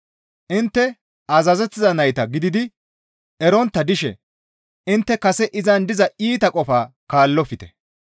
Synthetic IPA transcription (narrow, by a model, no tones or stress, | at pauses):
ʔɪnt̪ːɛ | ɐzɐzɛt̪ːɪzɐnɐjt̪ɐɡɪd̪ɪd̪ɪ | ɛɾɔnt̪ːɐd̪ɪʃɛ̰ | ʔɪnt̪ːɛkɐsɛʔɪzɐnd̪ɪzɐʔiːt̪ɐkʼɔfaːkaːlːɔfɪt̪ɛ̥